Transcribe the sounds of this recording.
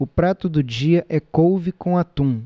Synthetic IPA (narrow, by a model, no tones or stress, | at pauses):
ʊpɾat̪ʊd̪ʊd͡ʒiɐʔɛkowvɪkõɐt̪ũ